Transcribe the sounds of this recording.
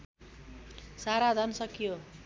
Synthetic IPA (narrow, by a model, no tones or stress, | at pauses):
saɾad͡z̪ʱʌnsʌkijo